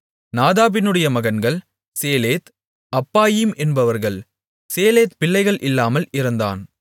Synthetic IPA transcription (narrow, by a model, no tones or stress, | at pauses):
naːðaːpɪnɯɽɐjɐmɐɣɐnɡɐɭ | seːleːt̪ | ɐpːaːjɪmʔɛnbɐʋɐɾɣɐɭ | seːleːt̪pɪlːɐɪɣɐɭʔɪlːaːmɐlɪɾɐnd̪a̰ːn